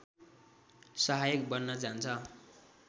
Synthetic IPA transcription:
sʌɦajʌk̚bʌnːʌd͡zant͡sʰʌ

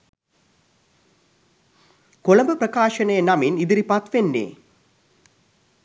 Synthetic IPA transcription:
kolɐmbəprɐkaːʃɐnɐjənɐminid̪iɾipat̪ʋenːḛː

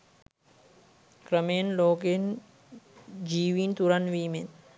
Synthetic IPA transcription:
kɾəmeːnloːken | d͡ʒiːʋiːnt̪uɾɐnʋiːmen

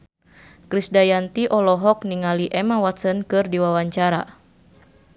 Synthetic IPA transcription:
kɾisdajant̪iʔɔlɔɦɔk̚niŋaliʔɛmawat̪sənkɨrdiwawaɲt͡ʃaɾa̰

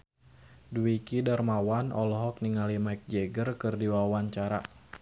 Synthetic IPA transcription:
duikidarmawanɔ̰lɔɦɔk̚niŋalimajk̚d͡ʒɛɡərkɨrdiwawaɲt͡ʃaɾa

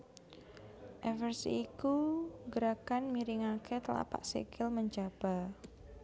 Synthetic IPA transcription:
ʔɛfərsḭikuɡəɾakanmiɾɪŋakʰet̪əla̰pa̰ʔsḭkʰɪlməɲd͡ʒab̥a̤

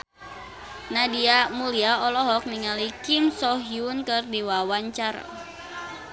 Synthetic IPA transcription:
nadiamuliaɔlɔɦɔk̚niŋalikimsɔɦiunkɨrdiwawaɲt͡ʃaɾa̰

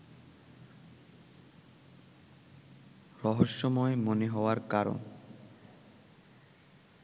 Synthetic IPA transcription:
ɾɔɦoʃːɔmɔemoneɦɔoaɾkaɾo̰n

